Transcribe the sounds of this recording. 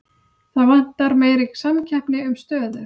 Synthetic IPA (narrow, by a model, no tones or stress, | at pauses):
θaðvan̥t̪ːaɾmeːjɾiksamcʰɛhpnɪʏmst̪œːðʏ